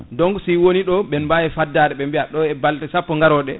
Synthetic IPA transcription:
dɔŋɡsiwoniɗɔɓɛnbajɛfadːaɗɛɓɛmbiaɗɔɛbaltɛsapːɔŋɡaɾɔɗɛ

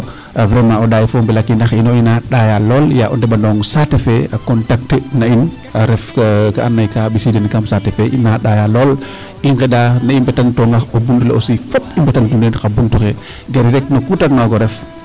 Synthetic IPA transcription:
avɾɛmãɔɗajfombɛlakːinaxinoinaɗajalɔːljaʔɔndɛbandɔːŋsatefeakɔntak̚tenain | aɾɛfkaʔanːajkabisidenkamsatɛfɛʔinaɗajalɔːl | iŋkɛdanaimbɛtantɔŋɡaxobuntulɛ̰osifotimbɛtantunenkabuntuxɛ | ɡaɾɾɛk̚nokutaknaɡɔɾɛf

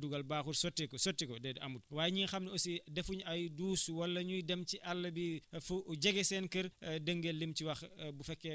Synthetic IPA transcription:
duɡɐlbaːxursɔtːikɔsɔtːikɔdɛdɐmut̚waːjɲinxɐmnɐosidɛfuɲɐjduːswɐlːɐɲujdɛmciʔɐlːɐbifuɟɐɡɛsɛːnkəɾdəŋɡelːimt͡ʃiwɐxbufɛkːɛ

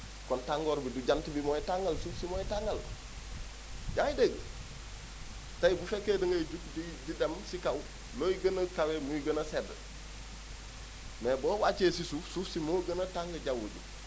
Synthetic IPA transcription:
kɔntaŋɡoːɾbiduɟantibimoːjitaŋɡɐlsufsimoːjitaŋɐl | ɟaŋideɡ | tajibufekːedɐŋɡɐɟuk̚dididɐmsikaw | loːjiɡənɐkawemujiɡənɐsed | mebɔːwaːt͡ʃesisufsuːfsimoːɡɐnɐtaŋɡɐɟawuɟṵ

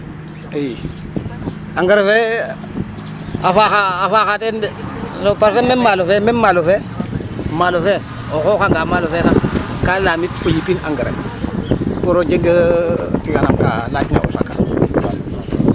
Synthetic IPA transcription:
ej | aŋɡəɾefe | afaxaːfaxatendsopaɾsamemalofememalofe | malofe | oxokaŋɡamalofesakalaːmitojipinaŋɡəɾḛ | poɾod͡ʒeɡətiɡanamka̰lat͡ʃina̰ʔo̰sa̰kːa̰

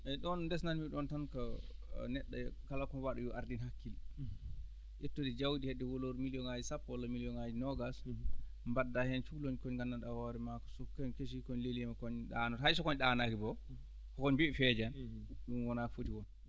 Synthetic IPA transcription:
ʔɛɗɔndɛsnanmiɗɔntankɔnɛɗːakalakɔwaɗujuʔaɾdinhakːil | jɛtːodid͡ʒawdihɛdːɛwoloɾmilijɔŋad͡ʒisapːɔlɔmilijɔŋad͡ʒinɔɡas | mbadːahɛnt͡ʃuloɲkɔɲɡanːanɗawɔɾɛmakɔ̥sɔkɔɲkeʃ̬ikɔɲleliɛmɛkɔɲɗanɔɦajsɔkɔɲɗanakibɔ | kɔkɔɲbiifɛd͡ʒanɗunwɔnakfotiwɔn

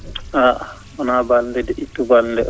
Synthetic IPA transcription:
aʔ | ɔnabalndɛdɛʔitːubalndɛ

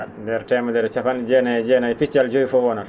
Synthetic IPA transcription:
dɛɾtɛmadɛɾt͡ʃafand͡ʒɛnad͡ʒɛnajpit͡ʃald͡ʒojifɔwɔnaɾ

